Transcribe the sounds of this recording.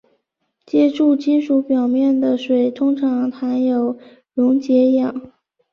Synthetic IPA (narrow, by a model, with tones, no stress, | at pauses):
t͡ɕjɛ˧˥ʈ͡ʂu˥˩t͡ɕi˥nʂu˧˥pjɑ˨˩ʊmjɛ˥˩nd̪ə˩ʂwe˨˩ɪt̪ʰʊ˥ŋʈ͡ʂʰɑ˧˥ŋt̪ʰa˧˥njo˨˩ʊ | lʊ˧˥ŋt͡ɕjɛ˧˥˧jɑ˨˩˦ŋ